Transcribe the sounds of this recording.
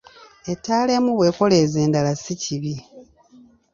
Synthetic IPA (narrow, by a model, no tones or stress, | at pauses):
e̞tːaːle̞ːmuβwe̞ːko̞le̞ːze̞ːndalasiciβi